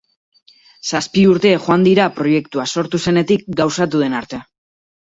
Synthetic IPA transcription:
saspiuɾt̪e̞ʝoand̪iɾapɾo̞je̞kt̪uaso̞ɾt̪use̞ne̞t̪ik̚ɡawsat̪uðe̞naɾt̪e̞

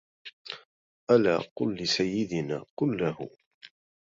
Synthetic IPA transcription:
ʔala̰ːqʊlːɪsajːɪd̪ɪnaːqʊlːahʊ̰

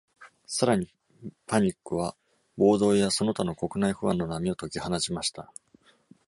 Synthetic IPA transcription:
saɾaɲ̟i | paɲ̟ikːɯ̟β̞a | bo̞ːd̪o̞ːjaso̞no̞t̪ano̞ko̞kɯ̟naiɸɯ̟βãnːo̞namʲio̞t̪o̞kʲihanaɕimaɕi̥t̪a

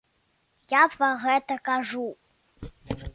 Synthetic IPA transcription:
japvaɣɛt̪ɐkaʐu

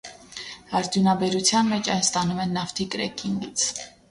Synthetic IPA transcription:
ɑɾd̪junɑbɛɾut͡sʰjɑnmɛt͡ʃʰɑjnst̪ɑnumɛnːɑft̪ʰikɾɛ̰kʰiŋɡit͡sʰ

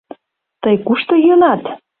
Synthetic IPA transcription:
t̪əjkuʃt̪ɤjonɑt̪

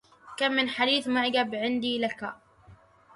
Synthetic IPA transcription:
kamːɪnħad̪iːθmaʕɡabʕɪnd̪iːlaka

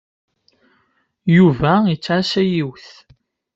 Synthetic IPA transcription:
juvæjit͡sːʕasæjiwθ

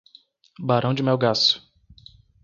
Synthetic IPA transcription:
baɾɐ̃w̃d͡ʒɪmɛwɡasʊ̥

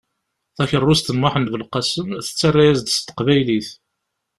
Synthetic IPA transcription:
θæçərˤːʊst̪ənwaħənvəlqɑsəmθə̥t͡sːarˤːæjæzd̪st̪ə̥qvæjliθ

